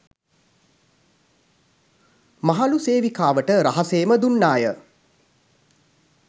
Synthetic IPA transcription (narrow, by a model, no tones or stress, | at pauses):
maɦaluseːʋikaːʋəʈəɾaɦaseːməd̪unːaːjə